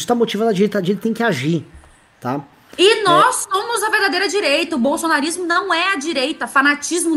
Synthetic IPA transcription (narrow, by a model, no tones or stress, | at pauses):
ɪ̥t̪amot͡ʃivɐ̃d̪ɐd͡ʒiɾejt̪ad͡ʒieɾt̪t̪ẽj̃kɪaʒi | t̪a | ɪnɔsːõmʊzɐveɾd̪ad̪ejɾɐd͡ʒiɾejt̪ɐʊbowsonaɾizmʊnɐ̃w̃ɛɐd͡ʒiɾejt̪ɐfanat͡ʃizmʊ